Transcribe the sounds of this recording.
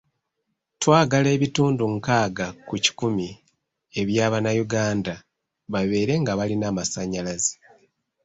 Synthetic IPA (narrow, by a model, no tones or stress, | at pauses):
twaːɡale̞ːβituːnduŋkaːɡakuci̥kumi | e̞βjaːβanajuɡaːnda | βaβe̞ːɾe̞ŋɡaβalinaːmasaɲalazi̥